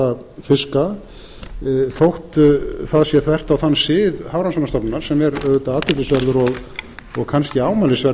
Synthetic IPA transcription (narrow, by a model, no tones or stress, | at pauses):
a | fɪska | θowht̪θaðsjɛθvɛr̥t̪awθanːsɪːðhawɾansanast̪ɔpnnaɾ̥sɛmɛɾœːɣʏt̪aaːt̪ɪp̪ɪsvɛɾðʏɾɔɣɔɣkʰanscɪaːwmalɪsvɛɾ